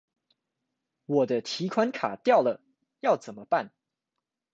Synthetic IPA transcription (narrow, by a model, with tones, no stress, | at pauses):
wɔ˨˩d̪ə˦t̪ʰi˧˥kʰwa˥nkʰa̰˨˩t̪jɑ˥˩ʊlə˩ | jɑ˥˩ʊt͡sə˨˩nmə˦pa˥˩n